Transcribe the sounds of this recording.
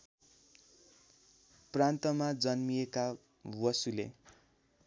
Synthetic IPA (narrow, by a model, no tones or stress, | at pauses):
prant̪ʌmad͡zʌnmijeka | wʌsulḛ